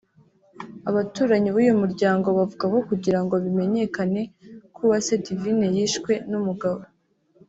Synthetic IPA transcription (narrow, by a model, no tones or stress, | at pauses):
aβatuːɾaɲiwiːjomuɾɟaːŋɡo̞βavuɡako̞kuɟiɾaŋɡo̞βime̞ɲe̞kane̞kuβasedivine̞jiʃkwe̞numuɡaβo